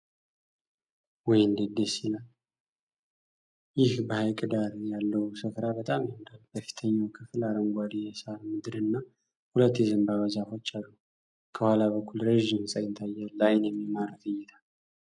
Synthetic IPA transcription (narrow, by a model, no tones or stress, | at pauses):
wɔjnd̪ɨd̪esilal | jɪhbəhajkʼɨd̪aɾjalːəwsɨfɾabət̪ʼamjɨnd̪alb̥əfi̥t̪ʰəɲːawkʰɨfɨlaɾəŋɡʷad̪ijɛsaɾmɨd̪ɨɾɨnːa | hulət̪ːjɛzɨmbaβəzafo̞t͡ʃːalːu | kʰəhwalaβəkːulɾəʒːɪmsʼajɪt̪ʰajːalːajnjɛmːimaɾt̪ɨjːɛt̪ʰal